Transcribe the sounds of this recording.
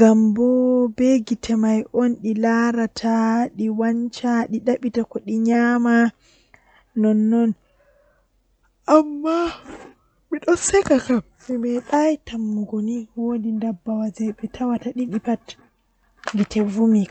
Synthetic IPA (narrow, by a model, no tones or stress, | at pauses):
ɡambɔbɛɡitʰɛmajʔɔnɗilaɾatʰaɗiwaɲt͡ʃaɗiɗaɓitakɔɗiɲama | nɔnːɔn | ʔamːa | miɗɔsɛkakam | mɛɓɛɗajtamːuɡoniwodindabːawad͡ʒɛɓɛtʰawataɗiɗipat | ɡitʰɛvumika